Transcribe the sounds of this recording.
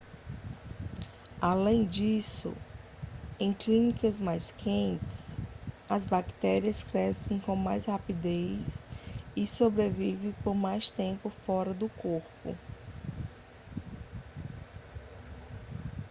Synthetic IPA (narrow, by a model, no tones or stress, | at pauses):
alẽj̃d͡ʒisʊ̰ | ẽj̃klĩnikɐzmajskʰẽnt͡ʃɪ̥s | ɐzbakt̪ɛɾiɐskɾɛsẽj̃kõw̃majshapid̪ejsɪsobɾevivẽj̃poɾmajst̪ẽmpʊfɔɾɐd̪ʊkoɾpʊ̰